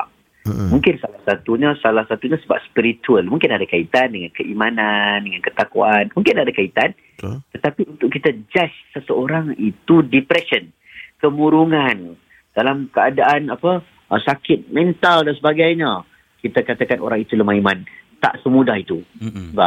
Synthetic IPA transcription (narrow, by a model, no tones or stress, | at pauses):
aʔ | mũŋkɪnsalahsat̪uɲasalahsat̪uɲãsəba̰p̚spiɾit̪uəlmũŋkɪnadakait̪andəŋankəʔimanandəŋankət̪akuanmũŋkɪnadakait̪an | t̪ət̪apiunt̪ʊʔkit̪ad͡ʒasːəsəoɾaŋit̪udipɾɛsən | kəmũɾuŋan | d̥alamkəadaʔanapə | sakɪt̪̚mɛ̃nt̪aldansəbaɡajɲə | kit̪akat̪akanʔo̰ɾaŋit̪uləmaɦimant̪a̰ʔsəmũdahit̪usəbap̚